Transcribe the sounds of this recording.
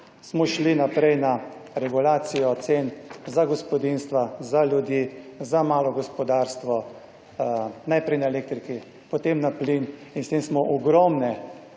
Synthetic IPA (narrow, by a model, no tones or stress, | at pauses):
smɔʃlinapɾɛjnaɾɛɡulaːt̪sijɔt̪senzaɡɔspɔd̪inst̪ʋazaljud̪jizamaːlɔɡɔspɔd̪aɾst̪ʋɔ | najpɾɛjnaɛleːk̚t̪ɾiki | pɔt̪emnaplininst̪emsmɔʔɔɡɾɔmnɛ